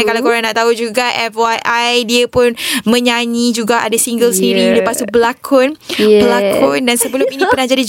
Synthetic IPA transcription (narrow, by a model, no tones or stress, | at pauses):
akalawkoɾaŋnaʔt̪aɦud͡ʒuɡaʔɛfwajʔajdiəpʊnmə̃ɲãɲĩd͡ʒuɡaʔa̰dasiŋɡəlsəniɾiləpasubəlakʰʊnbəlakʰʊndansəbəlʊminĩpərnahd͡ʒadi